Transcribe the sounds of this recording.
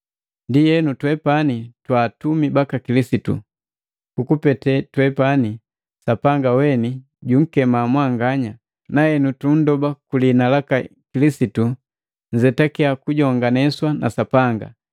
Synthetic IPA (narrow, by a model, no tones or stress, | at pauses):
ndijɛnutwɛpanitwaːtumibakakilisitṵ | kukupɛtɛtwɛpani | sapaŋɡawɛni | ɟuŋ̩kɛmamwaŋɡaɲa | naɛnutun̩dɔbakulinalakakilisitu | ɲzɛtakɛakuɟɔŋɡanɛswanʔa̰sapaŋɡa̰